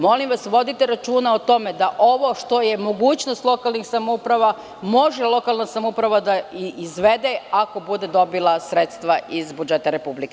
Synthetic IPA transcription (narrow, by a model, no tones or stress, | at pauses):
mo̞limʋasʋo̞d̪it̪eɾat͡ʃuːnaot̪o̞me̞d̪aʔo̞ʋo̞ʃt̪o̞je̞mo̞ɡuːt͡ɕno̞st̪lo̞kalˠnixsamoupɾaʋa | mo̞ʒelˠo̞kalˠnasamoupɾaʋad̪aiizʋed̪e̞ako̞bud̪e̞d̪o̞bilˠasɾe̞t̪st̪ʋaizbud͡ʒe̞t̪aɾe̞publike